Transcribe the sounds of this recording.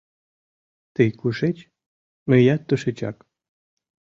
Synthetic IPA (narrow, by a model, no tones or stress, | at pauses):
t̪ejkuʃet͡ɕ | mə̆jat̪ːəʃet͡ɕa̰k